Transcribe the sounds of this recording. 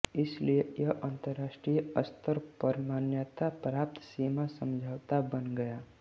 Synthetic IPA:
ɪsliejəʔãːnt̪əɾːaːsʈɾijəst̪ʰəɾpəɾmaːnjat̪apɾaːp̚t̪ʰsimasə̃md͡ʒʱaːwt̪abənɡəjaː

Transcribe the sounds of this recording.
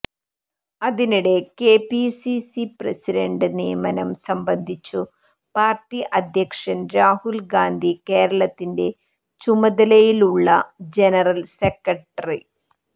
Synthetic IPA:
ɐðiniɽe̞ke̞ːpisisiprɐsiɾɐɳɖɨnijɐmɐnɐmsɐmbɐnd̪ʱit͡ɕːu | paːrʈːiʔɐd̪ʱjɐkʂɐnɾaːhulɡaːnd̪ʱike̞ːɾɐɭɐt̪ːinde̞ | t͡ɕumɐðɐlɐjiluɭːɐd͡ʑenɐrɐlsekːɐʈːɐri

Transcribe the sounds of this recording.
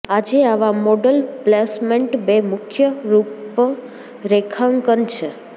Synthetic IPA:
ad͡ʒeaʋamɔɖəlplesmeɳʈbemʊkʰjəɾup | ɾekʰãŋkənt͡ʃʰe

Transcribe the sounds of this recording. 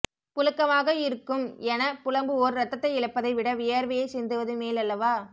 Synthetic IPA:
pʊlɯkːɐʋaːɣɐɪɾɯkːɯmɛnɐpʊlɐmbɯɔɾɯɾɐt̪ːɐt̪ːɐɪɪɭɐpːɐðɐɪʋɪɽɐʋɪjɐɾʋɐjɐɪsɛnd̪ɯʋɐðɯmeːlɐlːɐʋaː

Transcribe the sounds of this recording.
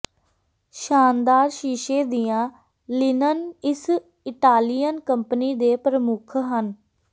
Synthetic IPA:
ʃaːnd̪aːɾʃiːʃeːd̪ijãː | lɪnənɪs | ɪʈaːlijənkəmpəniːd̪eːpɾəmʊkʰɦən

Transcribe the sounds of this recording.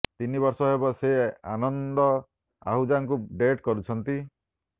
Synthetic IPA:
t̪inibɔɾsɔɦebɔsea̰nɔnd̪ɔ | a̰ɦud͡ʒaŋk̬uɖeʈkɔɾut͡ʃʰɔnt̪i

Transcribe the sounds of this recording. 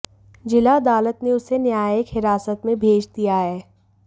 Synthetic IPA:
d͡ʒɪlaɐd̪aːlət̪neʊsenjaːjəkɦɪɾaːsət̪mẽbʱeːd͡ʒd̪ijaɦɛː

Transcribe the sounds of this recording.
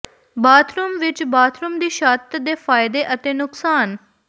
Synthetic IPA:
baːt̪ʰɾumʋɪt͡ʃbaːt̪ʰɾumd̪iːʃaːt̪d̪eːfaːjɪd̪eʔɐt̪enʊksaːn

